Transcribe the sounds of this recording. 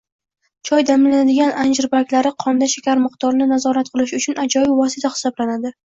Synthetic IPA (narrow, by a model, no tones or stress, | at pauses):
t͡ʃʰɒjd̪amɪlanad̪ɪɡʲanʔand͡ʒɪɾbakʲlaɾɪqʰɒnd̪aʃakʲaɾmɨqt̪ʰɒɾnɪnazɒɾat̪̚qʰɨlˠɪʃʊt͡ʃʰʊnad͡ʒɒjɪbvɒsɪt̪ʰaχɪ̥sɒblanad̪ɪ